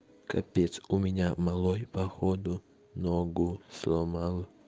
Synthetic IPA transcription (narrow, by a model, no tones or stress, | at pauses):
kʰɐ̰pʲesʊmʲɪnʲamalˠɔjpɐxɔd̪ʊ | noɡʊslˠɔmalˠ